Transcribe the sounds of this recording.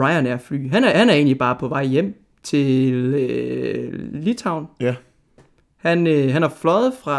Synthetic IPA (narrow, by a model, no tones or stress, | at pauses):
ɑ̈ɪænæɐfly̰ːɦænhænæɐe̝̰ːnlib̥ɑ̈ːpʰɒ̽ʋɑ̈ɪ̰jem̰ | t͡sʰe̝lø | lit͡sʰɑ̈ʊ̰n | hænøɦænæɐflɒ̽ð̩ˠfʁɑ̈